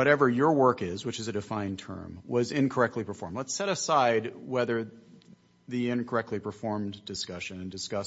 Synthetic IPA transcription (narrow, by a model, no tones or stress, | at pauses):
wʌɾɛvə˞jə˞wɜ˞kɪzwɨt͡ʃɨzɨdɨfãɪ̃ntʰɜ̰̃˞mwʌzɪ̃nkʰə˞ɛk̚tˡlipʰə˞fɔɹmlətsɛɾɨsaɪd̚wɛðə˞ | ðiɪ̃nkʰə˞ɛk̚tʰˡlipʰə˞fɔɹmdɨskʌʃɨ̃nɨ̃ndɨskʌs